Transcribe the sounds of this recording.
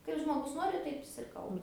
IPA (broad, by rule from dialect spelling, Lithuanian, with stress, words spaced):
ˈkɐɪp ʒmoːˈɡʊs ˈnoːrʲɪ ˈtɐɪp ɪs ɪr ˈkɐlˠbɐ